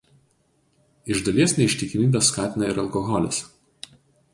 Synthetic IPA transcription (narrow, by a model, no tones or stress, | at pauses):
ɪʒd̪ɐlʲiɛsʲnʲɛɪʃʲt̪ʲɪkʲɪmʲiːbʲɛsːkɑːt̪ʲɪnɐɪɾɐlˠkɔɣɔlʲɪ̰s